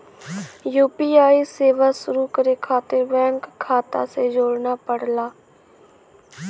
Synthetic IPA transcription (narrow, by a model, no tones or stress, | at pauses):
juːpiːaːiseːʋasʊɾukəɾekʰaːt̪ebɛ̃ːŋkʰːaːt̪a̰sed͡ʒoːɽnapəɽlaː